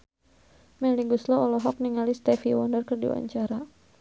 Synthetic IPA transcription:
mɛliɡuslɔɔlɔɦɔk̚niŋalist̪ɛfiwɔndərkərdḭwa̰ɲt͡ʃaɾa

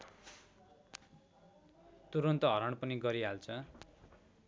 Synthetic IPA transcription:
t̪uɾʌnt̪ʌɦʌɾʌɳ̃pʌniɡʌɾiɦalt͡sʰʌ

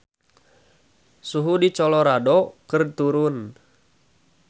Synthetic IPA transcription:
suɦudit͡ʃɔlɔɾadɔkɨrt̪uɾʊn

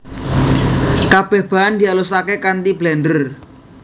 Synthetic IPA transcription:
kab̥ɛhb̥a̤and̪ialusakekant̪iblɛndər

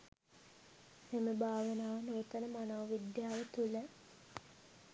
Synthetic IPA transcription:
meməbʱaːʋənaːʋnoːt̪ənəmanoːʋid̪jaːʋət̪ulə

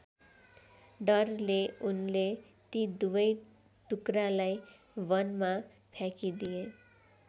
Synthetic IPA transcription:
ɖʌrleunle | t̪id̪ubʌj | ʈukralaj | bʌnma | pʰjakid̪ije

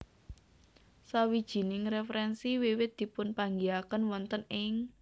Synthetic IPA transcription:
sawid̥ʒ̥i̤nɪŋɾefɾɛnsiwɪwɪt̪̚d̪̥i̤pʊnpaŋɡiakənwɔnt̪ənɪŋ

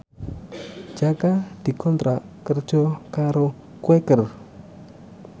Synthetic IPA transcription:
d͡ʒakad̪ikont̪ɾakəɾt͡ʃokaɾo | kwekəɾ

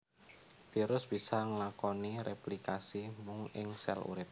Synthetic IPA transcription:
fiɾʊsb̥isaŋəlakɔniɾeplikasimʊŋɪŋsɛ̰lṵɾɪp̚

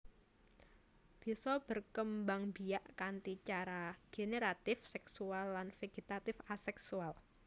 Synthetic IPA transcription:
b̥i̤sɔb̥ərkəmbaŋbijaʔkant̪it͡ʃaɾaɡ̥eneɾat̪ɪfsɛksualːanfeɡ̥it̪at̪ɪfasɛksual

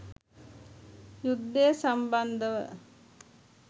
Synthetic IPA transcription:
jud̪ːejəsamband̪əʋə̰

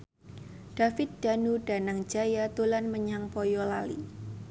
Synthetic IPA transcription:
ɖ̥afɪt̪̚d̥a̤nuɖ̥a̤naŋ̥d͡ʒajat̪ulanməɲaŋpɔjɔlalḭ

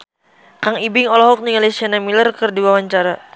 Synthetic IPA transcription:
kaŋibɪŋɔlɔɦɔk̚niŋalasianamilərkərdiwawaɲt͡ʃaɾa

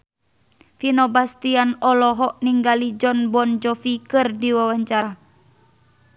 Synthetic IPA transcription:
finɔbast̪ianɔlɔɦɔʔniŋɡalid͡ʒɔnbɔnd͡ʒɔfikɨrdiwawaɲt͡ʃaɾa

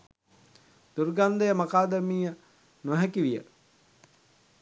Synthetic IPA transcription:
d̪̥urɡand̪ejəmakaːd̪əmiːjə | nuɦækiʋijə̰ʈ

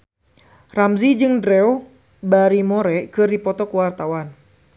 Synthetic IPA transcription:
ramzid͡ʒɨŋdɾɛu | baɾimɔɾɛkɨrdipɔt̪ɔkwart̪awan

